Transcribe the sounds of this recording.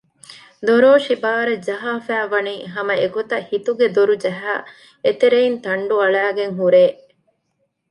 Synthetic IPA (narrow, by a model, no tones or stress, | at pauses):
d̪oɾoːʃibaːɾɐd͡ʒɐɦaːfæːʋɐniːɦɐmɐekut̪ɐhit̪uɡed̪oɾud͡ʒɐɦæ̰ː | et̪eɾeint̪ɐɳɖuɐɭæːɡeŋɦuɾeː